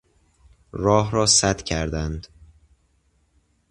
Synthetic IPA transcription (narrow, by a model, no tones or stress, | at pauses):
ɾɒːɦɾɒːsæt̪cʰæɾd̪ænd̪̥